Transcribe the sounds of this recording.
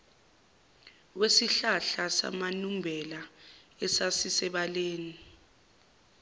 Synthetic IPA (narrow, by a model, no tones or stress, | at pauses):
wesiɬaɬasa̰manumbʱɛlaɛsasisɛɓaleːni